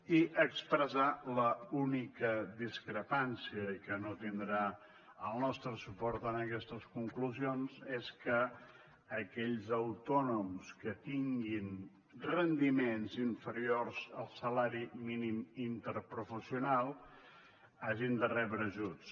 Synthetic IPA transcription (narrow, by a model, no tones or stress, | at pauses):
iʔəkspɾəzaləunikəd̪iskɾəpansiəkənot̪ind̪ɾa | əlˠnɔst̪ɾəsupɔɾt̪ənəkɛst̪əskuŋkluzionzeskəː | kɛʎzəwt̪ɔnumskət̪iŋɡin | rənd̪imenziɱfəɾiorz̥əlˠsəlaɾiminimint̪əɾpɾufəsiunalˠ | aʒind̪ərɛβɾəʒut͡s